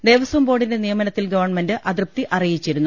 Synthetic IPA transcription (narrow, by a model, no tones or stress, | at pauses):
d̪e̞ːʋɐsʋɐmbo̞ːɽinde̞nijɐmɐnɐt̪ːilɡɐʋɐrɳmendɨʔɐd̪rp̚t̪iʔɐrijit͡ɕːiɾunːu